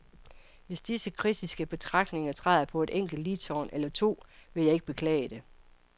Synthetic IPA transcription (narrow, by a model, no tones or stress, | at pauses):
ʋe̝sd̥isəkʰʁid̥isɡ̥əb̥e̝t͡sʰʁɑ̈ɡ̥ne̝ŋɐt͡sʰʁɑɪðˠɐpʰɒ̽e̝d̥eŋ̰ɡ̥l̩d̥lit͡sʰɒːnelɐt͡sʰo̝̰ːʋe̝jɑ̈e̝ɡ̥̚b̥e̝kʰlɛ̰ːɪəd̥e̝